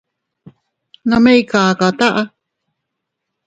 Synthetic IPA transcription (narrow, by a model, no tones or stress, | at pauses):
nãmejkakat̪aʔa